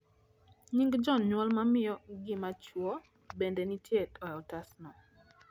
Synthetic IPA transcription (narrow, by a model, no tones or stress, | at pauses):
ɲiŋɡd͡ʒɔnɲwɔlmamɪjɔɡɪmat͡ʃwɔ | bendenitjetɔɔtasnɔ